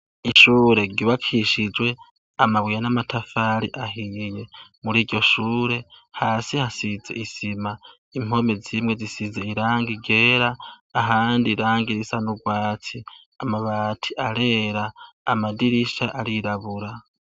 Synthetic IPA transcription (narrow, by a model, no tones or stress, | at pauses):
iʃuːɾe̞ɡiβakʰiʃid͡ʒwe̞ | amaβwijanamatʰafaɾḭʔaɦije̞muɾiːɾɟo̞ʃuːɾe̞haːsihasize̞̰ʔisima | im̥o̞me̞zimŋe̞zisize̞iɾaːŋɡiɡe̞ːɾaː | ɦaːndiɾaːŋɡiɾisanuɡwaːtʰi | amaβatʰiʔaɾe̞ːɾaːmadiɾiʃaʔaɾiɾaβuɾa